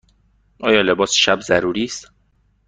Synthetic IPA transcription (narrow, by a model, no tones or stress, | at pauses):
ʔɒːjɒːle̞bɒːsʃæbzæɾuːɾiːst̪